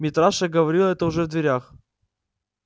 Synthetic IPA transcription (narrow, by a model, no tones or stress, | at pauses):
mʲɪt̪ɾaʂəɡəvɐɾʲilˠəɛt̪əʊʐɛvd̪vʲɪɾʲax